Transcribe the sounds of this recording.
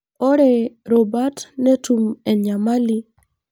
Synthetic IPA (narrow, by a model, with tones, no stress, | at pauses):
ɔ˦ɾɛ˨ɾɔ˨ba˦tnɛ˦tu˨mɛ˨ɲa˨ma˦li˦